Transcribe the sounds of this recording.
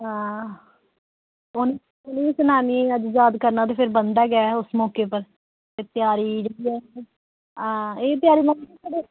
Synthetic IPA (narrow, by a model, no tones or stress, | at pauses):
ɦãː | ʊni | ʊniːsənaːniːẽəd͡ʒd͡ʒaːd̪kəɾnaːt̪eːpʰɪɾbənd̪aːɡɛːʊsmɔːkeːpəɾ | t̪eːt̪ɪjaːɾiːd͡ʒaːɽiːɛː | ɦãːeːt̪ɪjaːɾiːmənisaːɖeː